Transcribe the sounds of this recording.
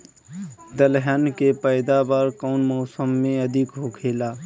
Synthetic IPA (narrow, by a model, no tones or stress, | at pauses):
d̪əlɦənkepəɪd̪abaːɾkaʊnmɔːsəmːẽəd̪ʱikɦokʰeːlaː